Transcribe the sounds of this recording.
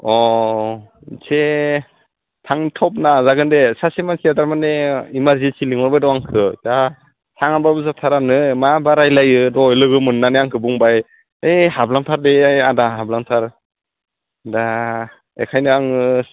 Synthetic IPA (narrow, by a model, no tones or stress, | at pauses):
ɔ | sʰe | tʰaŋtʰɔp̚nazaɡɯndesasemansiadaɾmaneimaɾzisiliŋɔɾbajdɔaŋkʰɯta | sʰaŋababɯzatʰaɾanɯmabaɾajlajɯdɔjlɯɡɯmɯnːaneaŋkʰɯbuŋbaj | ejɦablaŋtʰaɾdejadaɦablaŋtʰaɾ | da | ḛkʰajnɯaŋɯ